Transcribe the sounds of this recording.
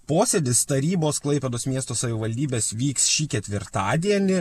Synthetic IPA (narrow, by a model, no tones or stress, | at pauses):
poːsʲɛd̪ʲɪst̪ɐɾʲiːboːsklˠɐɪpʲɛd̪oːsmʲiɛst̪oːsɐʋʲɪʋɐlʲd̪ʲiːbʲeːsʋʲiːksʃʲiːkʲɛt̪ʲʋʲɪɾt̪ɑːd̪ʲiɛnʲɪ